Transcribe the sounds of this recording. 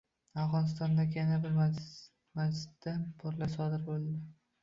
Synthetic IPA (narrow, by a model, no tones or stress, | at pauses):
afʁɒnɪs̬t̪ɒnd̪aɡʲjanabɪɾ | mazd͡ʒɪt̪ːabʰɒɾlasɒd̪ɪɾbolˠd̪ɪ